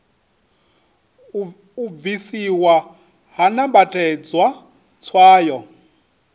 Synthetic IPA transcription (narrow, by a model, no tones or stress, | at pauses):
uvisiwa | ɦanabatʼɛd͡zwa | t͡sʰwaːjɔ